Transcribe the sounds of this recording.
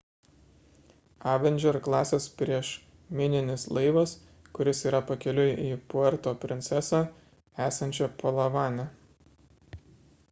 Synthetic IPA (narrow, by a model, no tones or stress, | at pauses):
ɑːʋʲɛnʲd͡ʒʲɛɾklˠɑːsʲeːspʲɾʲiɛʃ | mʲɪnʲɪnʲɪslˠɐɪʋɐs | kʊɾʲɪsiːɾɐpɐkʲɛlʲʊjʔiːpoɛɾt̪oːpʲɾʲɪnʲt̪sʲɛsɑː | æːsɐnʲt͡ʃʲɛpʰolˠɐʋɑːnʲɛ